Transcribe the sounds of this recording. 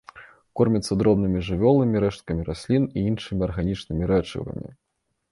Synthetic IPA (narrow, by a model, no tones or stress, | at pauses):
kɔrmʲit̪sːɐd̪ɾɔbnɨmʲiʐɨvʲɔlˠɐmʲiɾɛʂt̪̚kɐmʲiɾasʲlʲiniinʂɨmʲiɐrɣanʲit͡ʂnɨmʲiɾɛt͡ʂɨ̰vɐ̰mʲḭ